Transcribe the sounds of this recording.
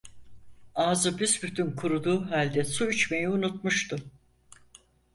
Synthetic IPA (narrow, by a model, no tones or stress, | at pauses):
aːzɯbizbyt̪ʰynkʰuɾud̪uːɦalʲd̪ɛsuyt͡ʃme̞jiunut̪muʃt̪ʰʊ